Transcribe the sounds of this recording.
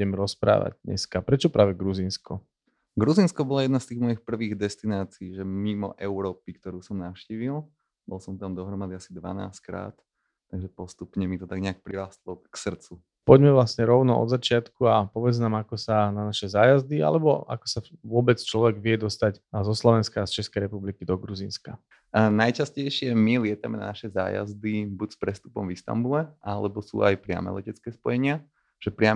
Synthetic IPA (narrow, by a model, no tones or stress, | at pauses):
ɛmɾɔspɾa̰ːʋa̰ɟ̚d̪ɲɛ̰skapɾɛt͡ʃɔpɾʔaːʋɛɡɾuziːnskɔ | ɡɾuzinskɔbɔlajɛd̪nast̪iːɣmɔjixpr̩ʋiːɣd̪ɛst̪inaːt͡siiːʒɛmimɔ̰ʔɛʊɾɔːpikt̪ɔɾuːsɔmnaʊʃciːʋilˠ | bɔlˠsɔmt̪amd̪ɔɦɾɔmad̪iasid̪ʋa̰na̰ːsckɾa̰ːt̪ː | aɡʒɛpɔst̪upɲɛmit̪ɔt̪aɡɲɛak̚pɾiɾaːst̪lˠɔksr̩t͡su | pɔɟmɛʋlasɲɛɾɔʊnɔʔɔ̰d̪zat͡ʃɪat̪kuapɔʋɛd͡znaːmakɔsananaʃɛzaːjazd̪ia̰lɛbɔa̰kɔ̥saʋʊɔbɛt͡st͡ʃlɔʋɛɡʋɪɛd̪ɔst̪aczɔslɔʋɛnskaːst͡ʃɛskɛjɾɛpublikid̪ɔɡɾuziːnska | najt͡ʃascɛjʃɪɛmilɪɛt̪amɛna̰naʃɛza̰ːja̰zd̪ibucspɾɛst̪upɔmvist̪a̰mbulɛʔalɛbɔsṵːʔajpɾɪa̰mɛ̰lɛcɛt͡skɛːspɔjɛɲɪa | ʒ̥ɛpɾɪa